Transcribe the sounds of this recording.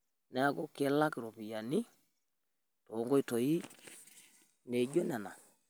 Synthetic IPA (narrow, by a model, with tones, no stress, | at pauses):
nɛ˨a˦kɔ˦ke˨˦la˦kɪ˨ɾo˨pi˨ja˨ni˦ | to˨˦ŋɡɔ˦i˦tɔ˨i˦ | ne˨d͡ʒo˦nɛ˨na˨